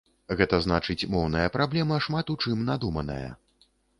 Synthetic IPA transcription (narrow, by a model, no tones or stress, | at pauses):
ɣɛt̪ɐzn̪at͡ʂɨt͡sʲmɔwnɐjɐpɾablʲɛmɐʂmat̪ut͡ʂɨmnad̪umɐnɐ̰jɐ̰